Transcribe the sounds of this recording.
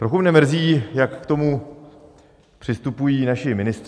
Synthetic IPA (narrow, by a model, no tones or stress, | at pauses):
t̪ɾo̞xumnɛmr̩ziːjakːt̪o̞mu | pr̝̥ɪst̪upujiːnaʃɪmɪnɪst̪